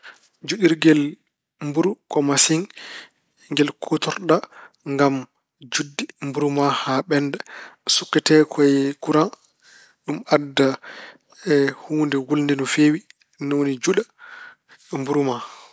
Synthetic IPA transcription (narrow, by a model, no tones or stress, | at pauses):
d͡ʒuɗiɾɡɛl | mbuɾukɔmasiŋ | ŋɡɛlkʰutɔɾɗa | ŋɡam | d͡ʒudːimbuɾumahaɓɛndɛsukːɛtɛkʰɔjɛkuɾa | ɗumadːa | huːndɛwulndɛnɔfeːwi | nonid͡ʒuɗa | mbuɾuma